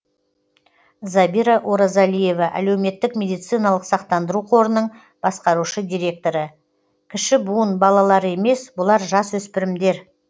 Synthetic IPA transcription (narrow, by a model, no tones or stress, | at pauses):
zɑbiɾaʔoɾazalije̞vɑʔæ̰lewme̞t̪ːɪkmʲe̞d̪ijt̪sijnɑlˠəqsɑqt̪ɑnd̪əɾuqʰo̞ɾənəɴ | b̥ɑsqɑɾuʃəd̪ʲijɾe̞k̚t̪o̞ɾə | kʲʰɪʃɪbuənbɑlˠɑlˠɑɾe̞me̞sbʊlˠɑɾʒɑswɵspɪɾɪmd̪e̞ɾ